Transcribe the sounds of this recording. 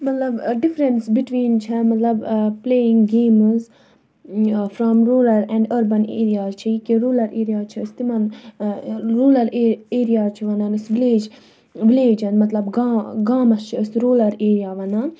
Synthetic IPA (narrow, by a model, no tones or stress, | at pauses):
mɐt̪lɐbɖɪfɾənsbiʈʋĩːnt͡ʃʰɛmɐt̪lɐbpleːɪ̃ŋɡɡẽːmz | fɾɔmɾoːlɐɾɛ̃ɳɖɐɾbɐneːɾijazt͡ʃʰiikiɾuːlɐɾʔeːɾijat͡ʃʰist̪imɐn | ɾuːlɐɾeeːɾijat͡ʃʰiʋɐnanisʋileːd͡ʒ | ʋɪleːd͡ʒɐnmɐt̪lɐbɡaɡaːmɐst͡ʃʰiəsɾuːlɐɾeːɾijaʋɐnan